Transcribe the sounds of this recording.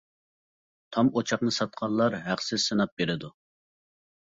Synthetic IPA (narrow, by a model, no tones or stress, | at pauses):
t̪ʰɑmot͡ʃʰɑqnɨsɑt̪̚qʰɑnˠlːˠɑɾɦæχsɪzsɨnɑp̚beɾɪd̪u